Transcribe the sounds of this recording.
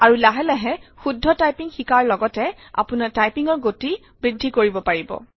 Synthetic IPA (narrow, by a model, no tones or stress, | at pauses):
aɹulaɦɛlɛɦɛxudʱːɔtajpiŋxikaɹlɔɡɔtɛ | a̰punatajpiŋɔɹɡoti | bɹidʱːikoɹibɔpaɹibɔ̰